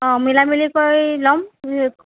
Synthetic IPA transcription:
ɔ̃milamilikɔɹlɔm

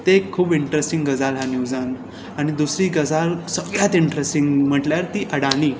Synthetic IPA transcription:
t̪ekʰːuːbiɳʈɾesʈĩŋɡɡəd͡zalɦanjud͡zan | añid̪usɾiːɡəd͡zalsəɡljat̪iɳʈɾesʈiŋɡm̤əʈljaɾt̪iːʔəɽaɽiː

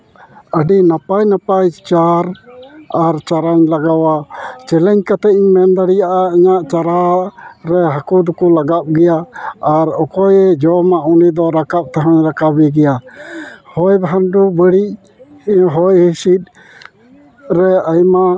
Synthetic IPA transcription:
əɖinapajnapajt͡ʃaɾ | aɾt͡ʃaɾaɲlaɡawat͡ʃɛlɛɲkat̪ɛiɲmɛnd̪aɽijaʔaiɲaʔt͡ʃaɾaɾɛɦakud̪kɔlaɡap̚ɡɛjaːɾɔkɔjɛd͡ʒɔmaʔunid̪ɔɾakap̚t̪aɦaɲɾakabɛɡɛja | hɔjbʱanɖubəɽic̚ | ɦɔjhisit̪̚ˀ | ɾɛajma

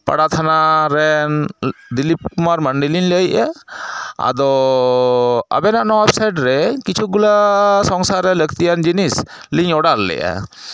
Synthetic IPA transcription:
pa̰ɽat̪ʰanaɾɛnd̪ilip̚maɾməɳɖiliɲləjʔa | a̰d̪ɔ | a̰bɛnaʔnɔwɛpsajɖɾɛkit͡ʃʰuɡulasɔŋsaɾɛləkt̪ijand͡ʒinisliɲɔɽalːɛ̰jʔa̰

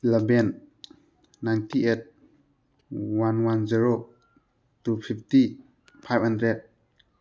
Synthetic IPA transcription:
lɛbenː | ajntiet̚ | wanwanziɾo | tupʰip̚ʰti | pʰajb̚handɾed̚

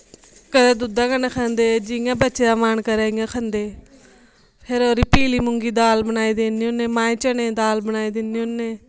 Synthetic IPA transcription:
kəɾeːd̪ʊd̪ãːkəneːkʰãːnd̪eːd͡ʒɪŋãːbəːt͡ʃeaːmaːnkəɾeːŋãkʰə̃nd̪eː | pʰeɾoːɾiːpiːliːmʊŋɡiːd̪aːlbənaːid̪eːnijõnẽːmaːĩːt͡ʃənẽːd̪aːlbənaːid̪ɪnioneː

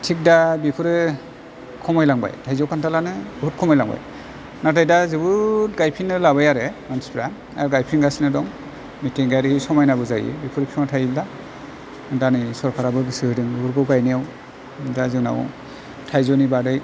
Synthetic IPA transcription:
tʰik̚dabipʰɯɾɯ | kʰɔmɔjlaŋba̰jtʰajzɔwkʰantʰalanɯbut̚kʰɔmɔjlaŋba̰j | natʰajdazɯbɯtɡajpʰinːɯlabajaɾemanʰi̥spʰiɾa | aɾɡajpʰinɡasinɯdɔŋ | mitiŋɡaɾisɔmajnabɯzajḭbipʰuɾɯpʰimatʰajibda | danɯjsɔɾkʰaɾabɯɡɯsɯhɯdɯŋɯbuɾkɯwɡajnijaw | dazɯna̰w | tʰajzɔnibadaj

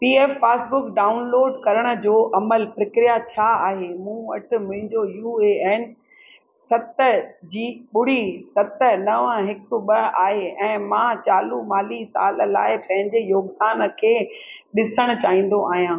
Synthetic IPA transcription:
piːeːfːaːsbʊkɖaːʊnloːɖkɐɾəɽ̃ə̆d͡ʑoːʔɐməlpɾɪkɾijat͡ɕʰaaːɦemũːɐʈʰʊ̆mʊ̃ɦɪ̃ɲd͡ʑojuːeeːn | sɐt̪əd͡ʑiːɓʊɽ̤isɐt̪ə̆nɐʋãɦɪkʊ̆ɓɐaːɦeɛ̃ːmãːt͡ɕaːlumaːliːsa̰ːl̆la̰ːɪpɐ̃ɦɪ̃ɲd͡ʑejoːɡd̪aːnə̆kʰeː | ɗɪsəɽ̃ʊt͡ɕaːɦĩːn̆d̪oʔaːɦijãː

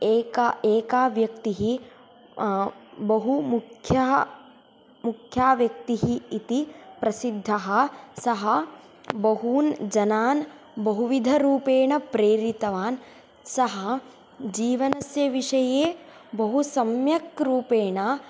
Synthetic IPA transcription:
eːkaeːkaːʋjɐkt̪iɦi | bɐɦumukʰjɐ | mukʰjaːʋjɐk̚t̪iɦiːt̪ipɾɐsid̪ʱːɐɦɐ̆sɐɦɐ | bɐɦuːnd͡ʒɐnaːn | bɐɦuʋid̪ʱɐɾuːpeːɳɐpɾeːɾit̪ɐʋaːn | sɐɦɐ | d͡ʒiːʋɐnɐsjɐʋiʂɐjeː | bɐɦusɐmjɐkɾuːpeːɳɐ

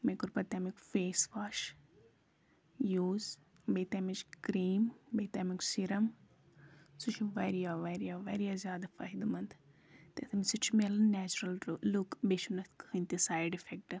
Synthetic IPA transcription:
mekuɾpɐt̪ɐmikfeːsʋaːʃ | juːz | beːt̪ɐːmit͡ʃkɾiːmbeːt̪aːmiksiɾɐm | sut͡ʃʰiʋɐɾijaːʋɐɾijaːʋɐɾijaːzjaːd̪afɐɦid̪umɐnt̪ʰ | t̪et̪ʰɐmisut͡ʃʰmelɐnnæːt͡ʃuɾɐlɾlukbeʃunɐkhɨnt̪isaːjɖifek̚ʈɨ

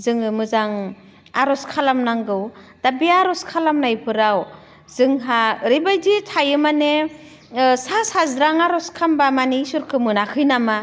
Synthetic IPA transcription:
zɯŋɯmɯzaŋ | aɾɔskʰalamnaŋɡɯw | d̥abiaɾɔskʰalamnajpʰɯɾaw | z̥ɯŋɦaɾibajditʰajɯmane | sasazɾaŋaɾɔskʰambamanisuɾkʰɯmɯnakʰɯjnama

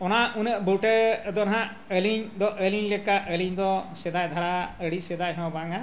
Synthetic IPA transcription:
ɔnaunəʔbuʈəːd̪ɔnɦã | əliɲd̪ɔʔəliɲlɛkaʔəliɲd̪ɔsɛd̪ajd̪ʱaɾaəɽisɛd̪ajɦɛɔ̃baŋa

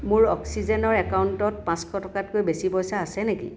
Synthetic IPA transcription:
mʊɹɔ̰ksizɛnɔɹɛkawuntɔt̚pãskʰɔtɔkatkojbesibɔjsaːsɛnekḭ

